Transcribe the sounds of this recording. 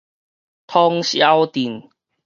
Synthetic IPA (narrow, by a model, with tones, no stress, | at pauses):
t̪ʰɔ˦ŋɕja˦wt̪i˨˩n